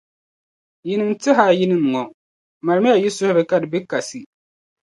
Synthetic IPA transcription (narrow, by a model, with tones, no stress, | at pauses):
ji˦nɨ˦mtɪ˦ɦa˨ji˦nɨ˦m˨ŋɔ˨ | ma˨ɾmɪ˦ja˨ji˦sʊ˦hʊ˦ɾɨ˨˦ka˦dɨ˨bɪ˦ka˨si˨